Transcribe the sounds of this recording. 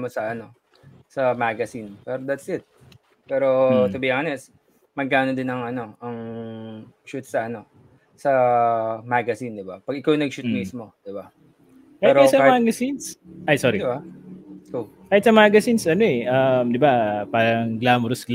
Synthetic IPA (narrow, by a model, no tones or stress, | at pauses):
mosɐʔɐno̞ | sɐmaɡɐsinpɛɾod̪ɐt̪sʔɪt̪̚ | pɛːɾo̞t̪ʊbiɐŋɐnɛs | mɐɡ̚kaːno̞d̪ɪnɐŋɐno̞ʔɐŋ | ʃut̪sɐʔɐno̞ | sɐ | maɡɐsind̪ɪbapɐɡɪkawnɐɡʃut̪mismo̞d̪̥ɪba | kaɪɛtɾoɛsɐamaːɡɐsinsʔɐjsoːɾiba | ko | kahɪt̪sɐmaːɡɐsinsʔɐno̞ʔɛʔɐmd̪ɪbapaːɾɐŋɡlaːmɾosɡ